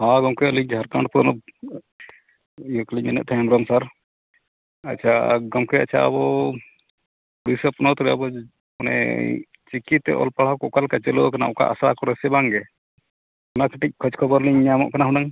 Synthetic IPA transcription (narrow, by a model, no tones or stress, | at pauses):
hãɡɔmkɛəliaɾkãɳʈpɔnɔb̚ | jukliɲɛnɛʔ̪̚t̪ʰɛjamɾɔmsaɾ | a̰t͡ʃʰaɡɔmkɛa̰t͡ʃʰa̰ə̰bɔ | uɽisəpnɔt̪ɾɛabɔ | kɔnɛ̰ | t͡ʃikit̪ːɛ̰ʔɔ̰lpaɽ̤akɔkalkat͡ʃɛlɔɔkana̰ɔka̰ʔa̰sɾakɔɾɛsɛbaŋɡɛ | ɔnakəʈic̚kʰɔt͡ʃkʰɔbɔɾliɲːamɔ̰ʔkanaɦũnaŋ